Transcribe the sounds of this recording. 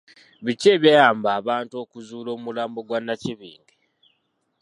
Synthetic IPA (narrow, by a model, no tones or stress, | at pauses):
βice̞ːβjajaːmbaːβaːntuo̞ːkuzuːlo̞ːumulaːmbo̞ɡwanːaciβḭːŋɡe